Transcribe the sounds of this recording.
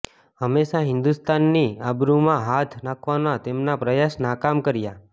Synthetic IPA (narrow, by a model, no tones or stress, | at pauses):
ɦəmːeʃaɦɪ̃nd̪ust̪anːiabɾumãɦat̪ʰnakʰʋanat̪emnapɾəjaʃnakamkəɾja